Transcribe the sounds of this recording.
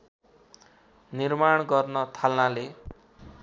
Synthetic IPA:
nirmaɳɡʌrnʌt̪ʰalnale

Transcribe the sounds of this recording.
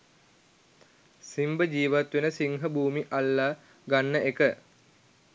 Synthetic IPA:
simbəd͡ʒiːʋat̪ʋenəsiŋɦəbuːmiʔalːaː | ɡanːəʔekə

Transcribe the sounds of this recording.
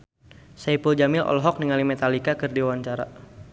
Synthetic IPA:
saipuld͡ʒamɪlɔ̰lɦɔk̚niŋalimɛt̪alikakɨrdiwanɲt͡ʃaɾa̰

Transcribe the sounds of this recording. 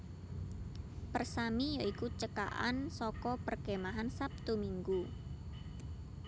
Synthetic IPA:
pərsamijoikut͡ʃəka̰ʔa̰nsɔkɔpərkemaɦansap̚t̪umiŋɡu

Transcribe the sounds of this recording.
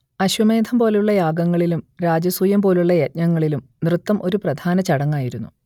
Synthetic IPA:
ɐɕwɐme̞ːd̪ʱʰɐmpo̞ːluɭːɐjaːɡɐŋːɐɭilumɾaːd͡ʑɐsujɐmpo̞ːluɭːɐjet̚ɲɐŋːɐɭilum | nrɨt̪ːɐmʔo̞ɾuprɐd̪ʱaːnɐt͡ɕɐɽɐŋːaːjiɾunːu

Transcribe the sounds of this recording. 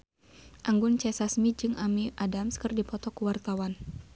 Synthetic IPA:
ʔaŋɡʊnt͡ʃɛsasmid͡ʒɨŋamiʔadamskɨrdipɔt̪ɔkuwart̪awan

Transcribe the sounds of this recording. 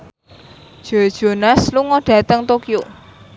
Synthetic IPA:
ʒ̥od̥ʒ̥o̤nasluŋɔɖ̥ä̤t̪əŋt̪okijo

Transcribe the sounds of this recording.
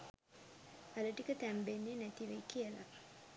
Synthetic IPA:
aləʈikət̪æmbenːenæt̪iʋejkiəla̰

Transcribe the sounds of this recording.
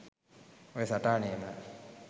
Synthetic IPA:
esatanema

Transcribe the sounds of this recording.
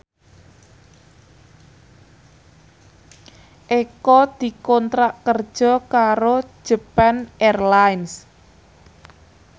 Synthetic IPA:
ʔekɔd̪̥i̤kɔnt̪ɾaʔkər̥ʒ̥ɔ̤kaɾo̥ʒ̥ə̤pɛnɛrlains

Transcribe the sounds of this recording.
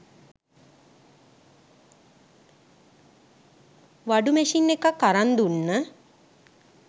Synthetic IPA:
ʋaɖumɛʃinːekakːaɾand̪unːə

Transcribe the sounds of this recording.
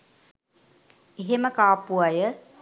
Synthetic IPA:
eɦeməkaːpuajə

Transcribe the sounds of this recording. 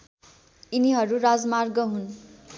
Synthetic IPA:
iniɦʌɾurad͡zmarɡʌɦun

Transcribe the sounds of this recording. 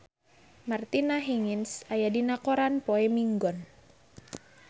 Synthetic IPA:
mart̪inaɦiŋinsajadinakoɾanpoɛmiŋɡɔn

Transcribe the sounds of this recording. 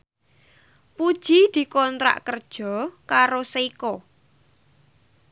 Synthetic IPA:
pud̥ʒ̥id̪̥i̤kɔnt̪ɾa̰ʔkərd̥ʒ̥ɔ̤kaɾosikɔ

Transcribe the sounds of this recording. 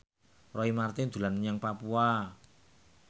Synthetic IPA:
rɔimart̪ind̪̥ṳlanɲaŋpapua

